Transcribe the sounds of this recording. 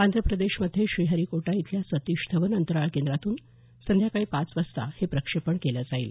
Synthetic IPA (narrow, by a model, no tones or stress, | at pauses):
and̪ɾəpɾəd̪eɕməd̪ʱjeɕɾiːɦəɾikoʈait̪ʰljasət̪iɕt̪ʰəʋənənt̪əɾaɭkend̪ɾat̪uːn | sənd̪ʱjakaɭiːpat͡sʋəst̪a̰hepɾəkʂepəɳkeləd͡zaḭːl